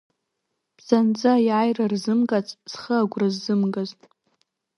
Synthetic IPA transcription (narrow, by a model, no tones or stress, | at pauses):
b̥z̥and͡zʼajajrarzɨmɡʼat͡sʼz̥χəaɡʷrazːɨmɡaztʼ